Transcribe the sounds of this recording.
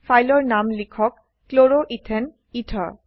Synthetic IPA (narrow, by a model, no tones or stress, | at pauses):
fʰajlɔɹnamlikʰɔkː | loɹoʔitʰɛn | itʰa̰